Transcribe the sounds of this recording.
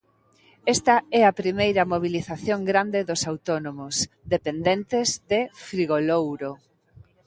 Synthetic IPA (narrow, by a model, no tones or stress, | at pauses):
ɛst̪ɐɛɐpɾimejɾɐmoβ̞iliθaθjoŋɡɾand̪ɪðosawt̪onomʊs | ðepend̪ent̪ɪzðefɾiɣolowɾo